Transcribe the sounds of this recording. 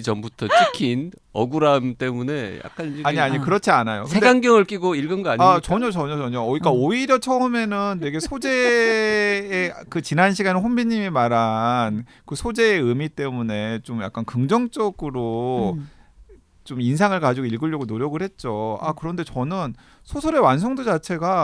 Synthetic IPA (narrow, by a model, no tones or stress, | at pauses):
t͡ɕʌmbutʰʌt͡ɕʰikʰin | ʌɡuɾamt͈e̞mune̞ja̰k̚k͈anaɲiaɲikɯɾʌt͡ɕʰianajoksɯnedeɡaŋɡjʌŋɯɭk͈iɡoiɭɡɯnɡʌaɲat͡ɕʌɲʌt͡ɕʌɲʌt͡ɕʌɲʌːik͈aoiɾjʌt͡ɕʰʌɯme̞nɯnːe̞ɡe̞sʰod͡ʑe̞ | kɯt͡ɕinanɕʰiɡaneɸombiɲimimaɾankɯsʰod͡ʑe̞ːɯmit͈e̞mune̞t͡ɕomja̰k͈ankɯŋd͡ʑʌŋt͡ɕ͈ʌɡɯɾo | t͡ɕomins̬ʰaŋɯɭkad͡ʑiɡoiɭɡɯʎːjʌɡonoɾjʌɡɯɭhe̞t̚t͡ɕ͈oa̰kɯɾʌnde̞t͡ɕʌnɯn | sʰosʰoɾe̞wans̬ʰʌŋdod͡ʑat͡ɕʰe̞ɡa